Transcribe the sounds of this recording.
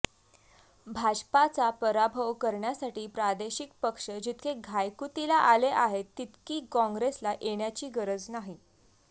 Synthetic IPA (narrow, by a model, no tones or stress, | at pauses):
bʱad͡ʑpat͡sapəɾabʱəʋkəɾɳjasaʈiːpɾad̪eɕik̚pəkʂəd͡ʑit̪keɡʱajkut̪ilaʔaleʔaɦet̪ːit̪kiːkɔ̃ŋɡɾeslaʔeɽjat͡ɕiːɡəɾəd͡znaɦi